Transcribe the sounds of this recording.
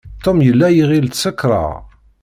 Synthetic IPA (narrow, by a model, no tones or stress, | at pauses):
t̪omjəlːæjiʁilt̪səkːɾˤɑ̰